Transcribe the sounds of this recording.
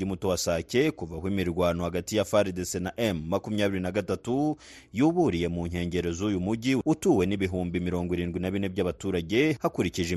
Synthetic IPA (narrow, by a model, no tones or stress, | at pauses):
imutowasace̞kuvahwimiɾɡwaːno̞haɡatijafaɾdesenaʔemːakumɲaːβiɾinaɡatatu | juβuɾije̞muɲ̥he̞ːɲɟe̞ɾe̞zuːjumuɟiutuːwe̞niβiɦuːmbimiɾo̞ːŋɡwiɾiːnɡwinaβine̞bɟaβatuːɾaɟe̞hakuɾiciʒe